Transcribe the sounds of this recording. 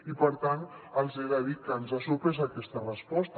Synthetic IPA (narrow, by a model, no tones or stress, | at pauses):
ipəɾt̪anənzɛɾaðit̪̚kəːnzasuɾpɾɛzakɛst̪ərəspɔst̪